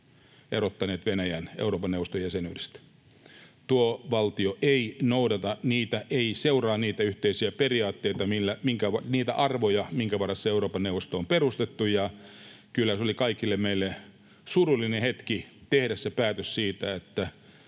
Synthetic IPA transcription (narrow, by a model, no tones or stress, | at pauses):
erot̪ːɑneːt̪ʋenæjænḛuroːpɑneuʋˑost̪ojæsenyːdest̪æ̥ | t̪uoʋɑlt̪ioʔeinoudɑt̪ɑniːt̪æʔeiseurɑːnniːt̪æyht̪eisiæperiɑːt̪ːeit̪ɑmilːæmiŋkæʋɑniːt̪æʔɑrʋojɑmiŋkæʋɑrːɑsːɑeuroːpɑnewʋˑost̪oːmperust̪et̪ːujɑ | kylːæsolikɑikilːemmeilːe | surulːinehet̪kit̪ehdæssepæːt̪øssiːt̪æet̪ːæ